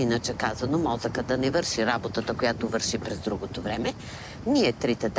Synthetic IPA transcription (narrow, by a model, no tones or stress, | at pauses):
inət͡ʃɛkazɐnomɔzəkəd̪ɐnɛvɤɾʃiɾabot̪ət̪əkojat̪ovəɾʃipɾɛzd̪ɾuɡot̪ovɾɛmɛ | niɛt̪ɾit̪ɛd̪